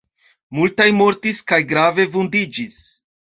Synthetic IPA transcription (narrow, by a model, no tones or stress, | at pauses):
multajmo̞ɾtiskajɡɾave̞vundid͡ʒis